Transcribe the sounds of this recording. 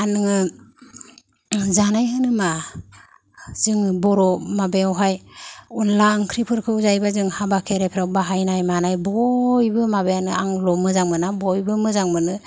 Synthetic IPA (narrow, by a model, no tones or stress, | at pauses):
anɯŋɯ | zanajɦɯnɯma | z̥ɯŋbɔɾɔmabeawɦajunlaŋkʰɾipʰɯɾkʰɯuzajbazɯŋhabakʰeɾepʰɾawbaɦajnajmanajbɔjbɯmabejanɯaŋlɔmɯzaŋmɯnabɔjbɯmɯzaŋmɯnɯ